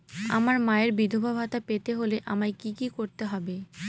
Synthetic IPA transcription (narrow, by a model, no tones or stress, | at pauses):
a̰maɾmaeɾbid̪ʱobʱabʱat̪apet̪eɦoleʔamaekikikoɾt̪eɦɔbe